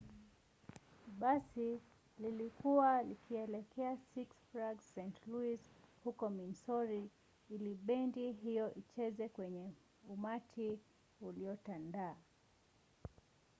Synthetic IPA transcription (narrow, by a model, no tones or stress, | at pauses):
ɓasi | lilikuwalikʰiɛlɛkʰɛasiksfɾaɡsːɛntluishukɔminsɔɾi | iliɓɛndiɦijɔʔit͡ʃɛzɛkwɛɲɛ | umatʰi | uliɔtandaː